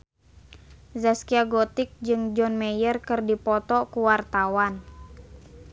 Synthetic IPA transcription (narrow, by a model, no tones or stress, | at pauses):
zaskiaɡɔt̪ɪk̚d͡ʒɨŋd͡ʒɔnmɛjərkɨrdipɔt̪ɔkuwart̪awan